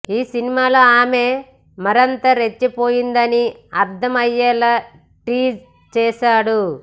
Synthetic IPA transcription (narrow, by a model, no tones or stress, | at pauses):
iːsinimaːlo̞ːaːme̞ː | mɐɾɐnt̪ɐɾet͡ʃːipo̞ːjind̪ɐniɐɾd̪ʱɐmɐjːɛːla | ʈiːd͡ʒ | t͡ʃɛːʃaːɽu